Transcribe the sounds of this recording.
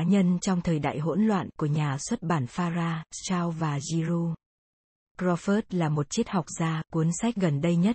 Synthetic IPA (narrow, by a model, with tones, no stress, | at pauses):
ɲə˧nt͡ɕɔ˧wŋ͡mt̪ʰəː˨˩jɗa̰ː˧˨jɦo̰˧˥nlwa̰ː˧˨nku˧˩əɲaː˨˩swə˦˥t̚ɓaː˧˩nfaː˧zaː˧t͡ɕaː˧wvaː˨˩zi˧ɾu˧ | kzɔ˧fəː˦˥t̚laː˨˩mo˨˩t̚t͡ɕi˦˥t̚ha˨˩wk͡p̚zaː˧ku˨˦ənsa˦˥jk̟̚ɣə˨˩nɗə˧jɲə˦˥t̚